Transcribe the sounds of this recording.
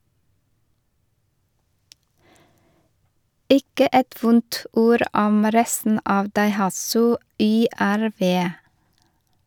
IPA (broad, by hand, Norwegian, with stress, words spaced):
ˈɪkə ˈɛt ˈʋʊnt ˈuːɾ ˈɔm ˈɾɛstn̩ ˈɑːʋ dɑɪˈhɑsʉ ˌʏˌæɾˈʋeː